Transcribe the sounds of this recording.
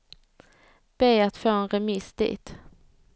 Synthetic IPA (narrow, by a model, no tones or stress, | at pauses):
b̥eːat̪foːɛnɾɛmisd̪̥ḭːt̪